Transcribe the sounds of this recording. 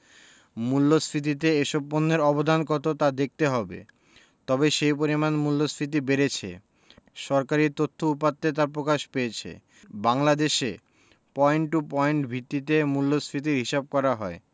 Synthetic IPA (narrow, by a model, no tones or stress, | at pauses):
mulːosʰɾit̪̬it̪̬eeʃɔbːonːeɾɔbod̪ʱankɔt̪ot̪ad̪ek̚t̪eɦɔbḛ | t̪ɔbeʃejp̬oɾimanmulːosɾit̪̬ibeɾet͡ɕʰḛ | ʃɔɾkaɾiɾt̪ot̪ʰːoupat̪ːet̪̬aɾpɾokaʃpejet͡ɕʰḛ | baŋlad̪eʃe | pɔeɳʈupɔeɳʈbʱit̪ːit̪emulːosɾit̪̬iɾɦiʃab̚kɔɾaɦɔe